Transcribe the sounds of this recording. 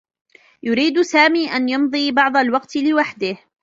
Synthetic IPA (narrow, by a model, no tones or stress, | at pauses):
jʊɾiːd̪saːmiːʔanjɑmðˤiːbɑʕd̪ˤalwɑqt̪lɪwaħd̪ɪh